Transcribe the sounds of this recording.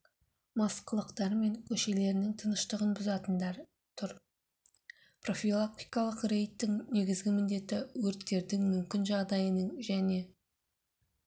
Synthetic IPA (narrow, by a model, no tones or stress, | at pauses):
mɑsqəlˠəqt̪ɑɾme̞ŋkʲʰɵʃe̞le̞ɾɪnɪŋt̪ʰənəʃt̪əʁənbʊzɑt̪ənd̪ɑɾ | t̪ʰʊɾ | pro̞fʲilˠak̚t̪i̥jkɑlˠəqre̞jt̪ːɪŋne̞ɡʲɪzɡʲɪmɪnd̪e̞t̪ːɪwɵɾt̪ːe̞ɾd̪ɪŋmʏmkʲɪnʒɑʁd̪ɑjənəɴʒæne̞